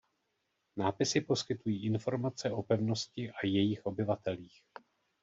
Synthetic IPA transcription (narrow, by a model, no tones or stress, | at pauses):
naːpɪsɪpo̞skɪt̪ujiːʔɪnfo̞ɾmat͡sɛʔo̞pɛvno̞scɪʔajɛjɪxʔo̞bɪvat̪ɛliːx